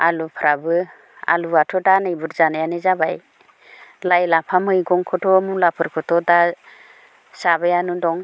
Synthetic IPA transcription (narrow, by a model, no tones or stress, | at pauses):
alupʰɾʔabɯ | a̰luatʰɔdanɯjbɯɾzanajanɯzabaj | lajlapʰamɯjɡɔŋkʰɯtʰɔmulapʰɯɾkʰɯtʰɔda | sabajanudɔŋ